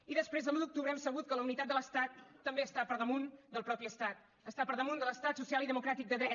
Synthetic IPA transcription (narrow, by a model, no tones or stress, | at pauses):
iðəspɾezðəlud̪uk̚t̪uβɾəɛmsəβ̞ut̪̚kələunit̪at̪d̪ələst̪at̪ːəmbeəst̪apəɾðəmund̪əlˠpɾɔpiəst̪at̪ | əst̪apəɾðəmund̪ələst̪at̪susialˠiðəmukɾat̪ik̚d̪əðɾɛ